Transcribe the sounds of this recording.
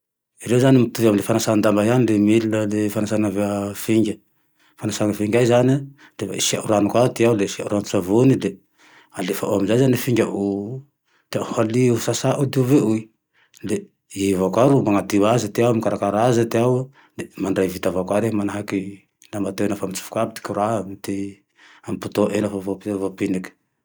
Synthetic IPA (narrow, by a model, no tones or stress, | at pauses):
iɾewzanimit̪uvamilefanasannd̪ambajanilemililəlefanasanaveafiŋɡʲə | fanasaŋəfiŋɡʲajzani | refa̰ḭsia̰ʔuɾanukwat̪ialesia̰ʔuɾanusavunile | alefaʔoamizajzanilefiŋɡʲaʔu | d̪eahaliusasaʔud̪iveʔui | le | ivakʷaɾumaŋat̪iwazat̪iawamikaɾakaɾazət̪iaw | lemaɳɖ͡ʐajvit̪avakwaɾeɦamanaɦaki | lamat̪ewenafamit͡su̥fu̥kabit̪i̥kuɾamt̪e | amput̪oʔenafavopvopiniki̥